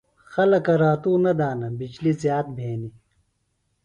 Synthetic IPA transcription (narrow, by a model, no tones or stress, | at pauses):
xɐlɐkɐɾaːt̪uːnɐd̪aːnɐbid͡ʑlizjaːt̪̚bʱeːni